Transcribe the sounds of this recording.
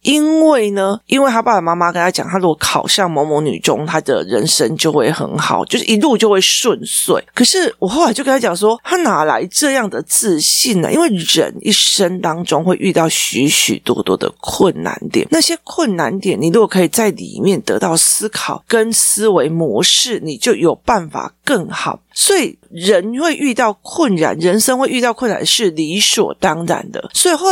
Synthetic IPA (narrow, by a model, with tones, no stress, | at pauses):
i˦˥nwe˥˩ɪnə˧i˥nwe˥ɪt̪ʰa˥pa˥˩a˨˩ma˥ma˥kə˥nt̪ʰa˥t͡ɕjɑ̰˨˩ŋt̪ʰa˥lu˥ɡɔ˨˩kʰɑ˨˩ʊɕɑ˥˨˩ŋmo˧˥mo˧˥ŋny̰˨˩ʈ͡ʂʊ̰˦ŋt̪ʰa˥d̪ə̰˨ɻə˧˥nʂə˦˥ŋt͡ɕjo˥˧ʊxwe˥˩ɪxə̰˧˥nxɑ˨˩˦ʊt͡ɕjo˥˧ʊʂɻ̩˥˩ʔi˧˥lu˥˧t͡ɕjo˥˧ʊxwe˥˩ɪʂwə˥˧nswe˥˩ɪkʰɤ˨˩ʂɻ̩˥˩wɔ˨˩xa˨˧ɪt͡ɕjkə˥a˥˨jɑ˨˩ŋʂwɔ˥t̪ʰa˥na˨˩la̰˧˥ɪʈ͡ʂɤ˥˧jɑ˥˩ŋd̪ə˩t͡sɹ̩˥˧ɕi˥˩nə̰˩ʔḭ˦˥nwe˥˩ɪɻə̰˧˦˥nḭ˥˩ʂə˥nt̪ɑ˥ŋʈ͡ʂʊ˥ŋxwe˥˧ɪʔy˥˧t̪ɑ˥˩ʊɕy˧˥ɕy̰˨˩t̪wɔ̰˥t̪wɔ̰˥d̪ə̰˨˩kʰwə˥˩nna̰˧˥nt̪jɛ̰˨˩˦na˥˩ɕjɛ˥kʰwə˥˩nna˧˦nt̪jɛ˨˦ni˨˩ɻu˧˥ɡɔ˨˩kʰɤ˧i˨˩t͡sa˥˩ɪlḭ˨˩mjɛ˥˩nt̪ɤ̰˧˥t̪ɑ˥˩ʊs̩˥kʰɑ˨˩ʊkə˦nsɹ̩˥we˧˥ɪmwɔ˧˥ʂɻ̩˥˩ni˨˩t͡ɕjo˥˩ʊjo˨˩ʊpa˥˩nfa̰˨˩kə˥˩ŋxɑ˨˩˦ʊswɔ˧˥i˨˩ɻə˧˦nxwe˥˧ɪʔy˥˧t̪ɑ˥˩ʊkʰwə˥˩nɻa̰˨˩˦nɻə˧˦˥nʂə˥ŋxwe˥˧ɪʔy˥˧t̪ɑ˥˧ʊkʰə˥˩na̰˨˩˦nʂɻ̩˥˩li˧˥swɔ̰˨˩t̪ɑ˥ŋɻa̰˨˩˦nd̪ə̰˨swɔ˧˥i˨˩xo˥˧˩